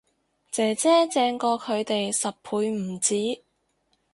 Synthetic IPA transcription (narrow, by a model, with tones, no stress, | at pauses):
t͡sɛː˨˩t͡sɛː˥t͡sɛː˧ŋkɔː˧kʰɵ˨˧ɥt̪e˨jsɐ˨ppʰuː˨˧jm̩˨˩t͡siː˨˥